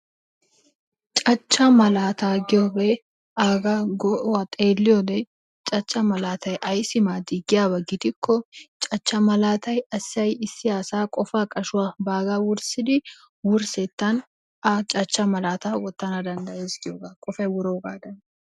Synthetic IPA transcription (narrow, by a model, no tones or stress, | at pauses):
t͡ʃʼɐt͡ʃːɐmɐlaːt̪aːɡɪobe | aːɡaɡɔʔwat̪ʼeːlːɪjod̪ɛ | t͡ʃʼɐt͡ʃːɐmɐlaːt̪ɐjʔɐjsɪmaːd̪ɪɡɪjaːbɐɡɪt̪ɪkʰːɔt͡ʃʼɐt͡ʃːɐmɐlaːt̪ʰɐjɐsɐjɪsːɪjaːsaːkʼɔfaːkʼɐʃʊwabaːɡawʊɾsɪd̪ɪ | wʊɾsɛt̪ːɐn | ɐt͡ʃʼɐt͡ʃːɐmɐlaːt̪aːwɔt̪ːɐnɐd̪ɐnd̪ɐeːsɡɪoːɡakʼɔfɐjwʊɾoːɡaːd̪ɐn